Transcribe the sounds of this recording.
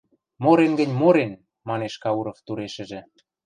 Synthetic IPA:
moɾenɡə̆nʲmoɾen | mɑneʃkɑuɾŏft̪uɾeʃə̆ʒĕ

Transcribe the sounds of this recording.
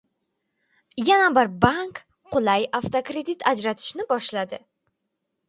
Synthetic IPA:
janabɪɾbaŋk | qʊlˠajaft̪okɾe̞d̪it̪ʰad͡ʒɾat̪ʰɪ̥ʃnɪbɒʃlad̪ɪ

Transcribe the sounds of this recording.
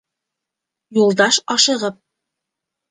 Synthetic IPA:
julˠd̪ɑʃɒʃɤ̆ʁɤp̚

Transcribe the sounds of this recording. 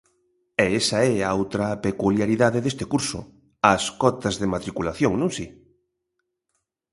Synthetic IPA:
ɛesɐɛaawt̪ɾɐpekuljaɾiðaðeðest̪ɪkuɾsʊ̰ | ɐskɔt̪ɐzðemat̪ɾikulaθjoŋnõŋsi

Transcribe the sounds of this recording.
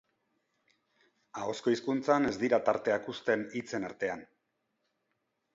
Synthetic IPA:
ao̞sko̞iskunt͡sane̞zd̪iɾat̪aɾt̪e̞akust̪e̞nit͡se̞naɾt̪e̞an

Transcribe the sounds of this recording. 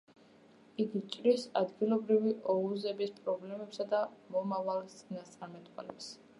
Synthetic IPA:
iɡit͡ʃʼɾisad̪ɡilˠɔbɾiviʔɔuzɛbispʼɾɔblɛmɛpsad̪amɔmavalˠt̪sʼinast̪sʼaɾmɛt̪ʼwa̰lɛps

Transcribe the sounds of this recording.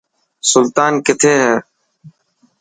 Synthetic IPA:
sʊlt̪aːnkɪt̪ʰeːɦɛː

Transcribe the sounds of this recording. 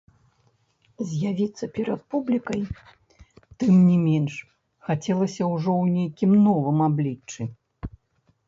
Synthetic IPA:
zʲjavʲit̪sːɐpʲɛɾɐt̪̚publʲikɐj | t̪ɨmnʲimʲɛnʂ | xat͡sʲɛlˠɐsʲɐwʐɔwnʲejkʲimnɔvɨmablʲit͡ʂːɨ

